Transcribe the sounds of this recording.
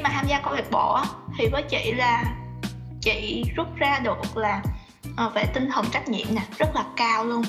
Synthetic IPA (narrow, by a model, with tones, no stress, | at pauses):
maː˨˩t̪ʰaː˧mzaː˧kɔ˨˧˦vi˨˩k̚ɓɔ̰˧˩ʔaː˨˦t̪ʰi˨˩vəː˨˦jt͡ɕḭ˧˨laː˨˩ | t͡ɕḭ˧˨zu˦˥t̚zaː˧ɗu˨˩ək̚laː˨˩ | ʔəː˨˩fa̰ː˧˩t̪ï˧ŋ̟t̪ʰə˨˩ŋt͡ɕa˦˥k̟̚ɲḭ˧˨əmnaː˨˩z̥ə˦˥t̚laː˨˩kaː˧wlu˧ən